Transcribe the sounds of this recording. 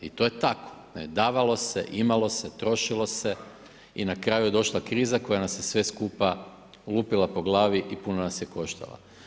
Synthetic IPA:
it̪o̞jet̪ako̞̥ned̪aːʋalˠo̞sḛʔimalo̞se̞t̪ɾo̞ʃilˠo̞se̞ | inakɾaːjujed̪o̞ʃlˠakɾiːzako̞janasjesʋe̞skuːpa | luːpilˠapo̞ɡlaːʋiʔipunonasjeko̞ʃt̪a̰lˠa̰

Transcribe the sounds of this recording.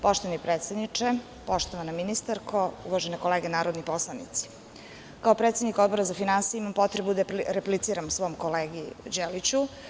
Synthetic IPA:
po̞ʃt̪oʋanipɾet̪sed̪nit͡ʂe | po̞ʃt̪oʋanaminist̪aɾkʰoṵʋaʒenekoleːɡenaːɾod̪nipo̞slˠanḭt̪si̥ | kaopɾet̪sʲed̪niko̞d̪boɾazafinansijimampo̞t̪ɾebud̪aɾeplit̪siːɾamsʋo̞omkoleːɡid͡ʑelit͡ɕu

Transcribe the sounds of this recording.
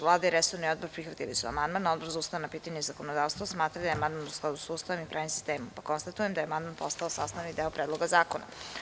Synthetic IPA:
vlˠaːd̪aiɾesoɾnio̞d̪̚boɾpɾixʋat̪ilḭsua̰mand̪mano̞d̪boɾzauːst̪aanapiːt̪aɲuizako̞nod̪aːʋst̪vosmaːt̪ɾad̪ajeamand̪manusklˠad̪usuːst̪aʋomipɾʔaːɲimsi̥st̪e̞ːmumpako̞nst̪at̪ujemd̪ajeamand̪manpo̞st̪aosasnanid̪eopɾeːd̪lˠo̞ɡazaːkona̰

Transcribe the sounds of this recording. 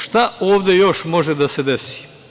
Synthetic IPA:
ʃt̪aoːʋd̪e̞jo̞ʃmo̞ʒed̪ase̞d̪esi̥

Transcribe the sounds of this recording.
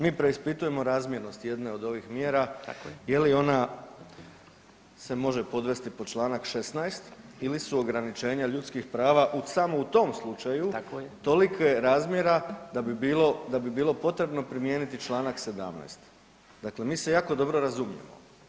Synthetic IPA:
miːpɾe̞ispit̪uje̞mo̞ɾaːzmje̞ɾno̞st̪je̞d̪ne̞o̞d̪o̞ʋixmjeːɾaje̞lio̞na | se̞mo̞ʒe̞po̞d̪ʋe̞st̪ipot͡ʃlˠaːnakʃe̞snajst̪ilisuo̞ɡɾanit͡ʃe̞ːɲaʎut̪skixpɾaːʋaʔusamout̪o̞ːmslˠut͡ʃajut̪o̞likojeɾaːzmjeɾad̪abbilod̪abibiːlo̞po̞t̪ɾe̞bno̞pɾimje̞ːnit̪it͡ʃlˠaːnakse̞d̪a̰mna̰jst̪ | d̪akle̞miːse̞jaːko̞d̪o̞bɾo̞ɾazumjḛmo̞̰

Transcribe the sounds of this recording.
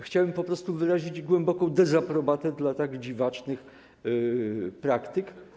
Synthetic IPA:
xt͡ɕawɛmpɔpɾɔst̪uvɘɾaʑid͡ʑɡwɛmbɔkɔ̃w̃d̪ɛzapɾɔbat̪ɛd̪lat̪aɡd͡ʑivat͡ʂnɘx | pɾakt̪ɘk

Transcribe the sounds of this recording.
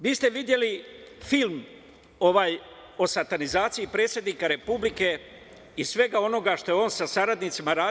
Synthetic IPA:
ʋiːst̪e̞ʋid̪je̞li | film | o̞ʋaːj | o̞sat̪anizaːt̪sijipɾe̞ːt̪sje̞d̪niːkaɾe̞publike̞ | isʋe̞ɡao̞no̞ɡaʃt̪o̞jeo̞ːnsasaɾad̪nit̪simaɾaː

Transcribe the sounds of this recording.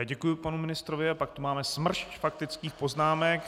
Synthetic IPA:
ɟɛkujʊpanumɪnɪst̪ɾovɪapakt̪umaːmɛsmr̩ʃcfak̚t̪ɪt͡skiːxpo̞znaːmɛk

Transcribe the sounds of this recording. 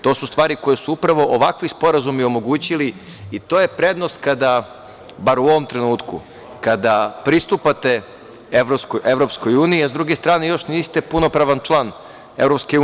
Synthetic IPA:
t̪o̞ːsust̪ʋaːɾiko̞jesuupɾaʋo̞ʔoʋakʋispo̞ɾazumio̞mo̞ɡuːt͡ɕili | it̪o̞je̞pɾe̞d̪nost̪̚kad̪a | baɾuoʋo̞mt̪ɾe̞nuːt̪kṵ | kad̪apɾist̪upat̪e̞ | eʋɾoskoʔeʋɾo̞psko̞juːniiazd̪ɾuɡe̞st̪ɾaːne̞jo̞ʃniːst̪e̞punopɾaʋant͡ʃlˠaːn | e̞vɾo̞pske

